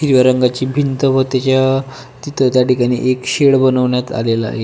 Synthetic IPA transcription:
ɦiɾiʋaɾəŋɡat͡ɕiːbʱint̪əʋət̪jat͡ɕja | t̪it̪ʰət̪jaʈikaɽ̃ḭːʔekɕeɽbənəʋɳjat̪a̰lela̰ɦe

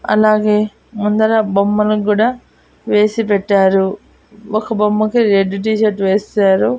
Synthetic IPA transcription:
ɐ̰laːɡe̞ː | mund̪ɐɾɐbɐmːɐlukuːɽaː | ʋe̞ːsip̬ɛʈːaːɾu | okɐbɐmːɐkiɾeɖːʈiːʃɐʈʋeːsaːɾu

